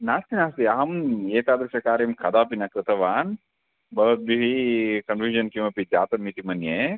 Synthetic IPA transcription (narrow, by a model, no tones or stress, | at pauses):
naːst̪inaːst̪iɐɦɐmeːt̪aːd̪ɾɐʃɐkaːɾemkʰɐd̪aːpinɐkɾɪt̪ɐʋaːn | bɐʋɐt̪̚biɦikɐnfuːʒɐnkimɐpid͡ʒaːt̪ɐmːit̪imɐnjeː